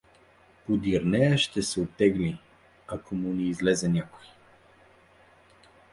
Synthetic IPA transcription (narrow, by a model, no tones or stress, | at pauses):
pod̪iɾnɛjəʃt̪ɛsɛot̪ɛɡli | akʰomuniːzlɛzɛnʲakoj